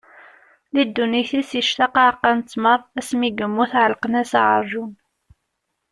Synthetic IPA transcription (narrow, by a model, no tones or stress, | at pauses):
lid̪ːuniθisəʃt̪ɑqɑqːɑnt͡sːməɾˤæsmiɡəmːuθʕəlqənæsʕə̰ɾˤʒun